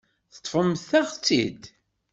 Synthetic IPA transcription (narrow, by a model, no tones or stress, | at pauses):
θə̥t̪ːˤfəmθθæʁt͡sːḭd̪